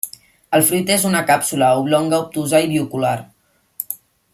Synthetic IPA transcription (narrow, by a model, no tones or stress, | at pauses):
əlˠfɾut̪ezunəkapsuləuβlɔŋɡaup̚t̪uzaiβiukulaɾ